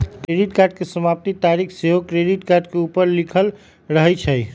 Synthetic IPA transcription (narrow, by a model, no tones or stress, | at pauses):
keɖiʈkaɾɖkesəmap̚t̪it̪aɾikʰseɦokɾeɖiʈkaɾɖkeupəɾlikʰəl | ɾəɦɛt͡ʃʰə